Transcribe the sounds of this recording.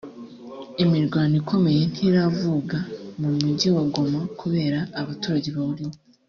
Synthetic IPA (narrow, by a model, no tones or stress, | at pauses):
imiɾɡwaːnikʰo̞me̞je̞n̥hiɾavuɡamumuɟiwaɡo̞makʰuβe̞ːɾaːβatuːɾaɟe̞βaβuɾiwo